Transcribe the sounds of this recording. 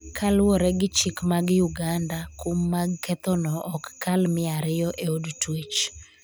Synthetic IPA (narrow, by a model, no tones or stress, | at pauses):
kʰalwɔɾɛɡɪt͡ʃɪkmaɡjuɡandakʰomːaɡkʰɛt̪ɔnɔʔɔkːalmɪaɾɪjɔʔeodtwet͡ʃ